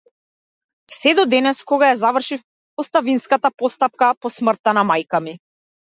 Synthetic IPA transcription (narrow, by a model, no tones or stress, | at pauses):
sɛd̪ɔd̪ɛnɛskɔɡajazavr̩ʃif | pɔst̪avinskat̪apɔst̪ap̚kapɔsmr̩t̪ːanamajkami